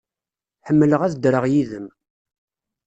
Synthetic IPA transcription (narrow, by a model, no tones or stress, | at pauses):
ħəmːələʁæθd̪ɾəʁjiðəm